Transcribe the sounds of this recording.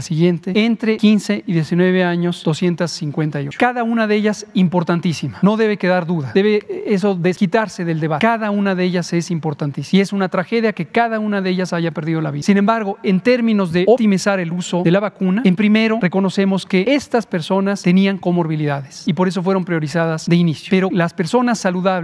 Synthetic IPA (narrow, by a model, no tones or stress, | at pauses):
asiɣjent̪eent̪ɾe̞kinse̞iðjesinwe̞β̞eaɲo̞sd̥̪osje̞nt̪asːiŋkwe̞nt̪ajot͡ʃo̥kaðaunaðeeʝasimpo̞ɾt̪ant̪isimano̞ðe̞β̞e̞ke̞ðaɾðuðaðe̞βeeso̞ðeskit̪aɾse̞ðe̞ld̪e̞βakaðaunaðeeʝase̞simpo̞ɾt̪ant̪isi̥ie̞sunat̪ɾaxe̞ðjake̞kaðaunaðeeʝasaʝapeɾðiðo̞la̰βiðasine̞mbaɾɣo̞e̞nt̪e̞ɾmĩno̞zðe̞opt̪imisaɾe̞luso̞ðe̞laβakunaempɾime̞ɾo̞re̞ko̞no̞se̞mo̞ske̞est̪aspe̞ɾso̞nast̪e̞niaŋko̞moɾβiliðaðesipo̞ɾe̞s̬o̞fwe̞ɾo̞mpɾjo̞ɾisaðasðeinisjo̥pe̞ɾo̞laspe̞ɾso̞nasːaluðaβ